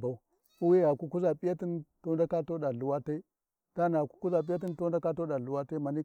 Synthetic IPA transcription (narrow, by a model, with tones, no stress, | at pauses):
ba˨u˦ | u˦we˦ɣa˨ku˦ku˦za˨pi˦ja˦ti˦nto˦nda˦ka˦to˦ɗa˨lu˨wa˦ta˦i˦ | ta˦na˨ku̥˦ku˦za˨pi˦ja˦t̬i˦nto˦da˦ka˦to˦ɗa˨lu˨wa˦ta˦ma˨ni˦